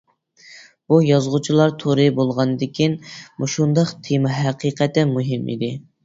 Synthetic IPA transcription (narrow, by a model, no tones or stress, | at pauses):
bujɑzʁʊt͡ʃʰilˠɑɾt̪ʰoɾɨbolˠʁɑnɨd̪ɪkʲʰinmuʃund̪ɑqt̪ʰemɑɦæqiqʰɛt̪ɪmuɦɪmḭd̪ɪ